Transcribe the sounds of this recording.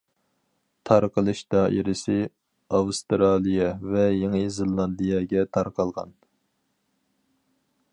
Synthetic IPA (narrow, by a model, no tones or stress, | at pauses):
t̪ʰɑɾqʰəlˠɨʃd̪ɑʔḭɾɪsɪ | ɑwst̪ɾɑːlˠijɛvɛjeŋəzɪlˠːɑnd̪ijɛɡʲɛt̪ʰɑɾqʰɑlˠʁɑ̰n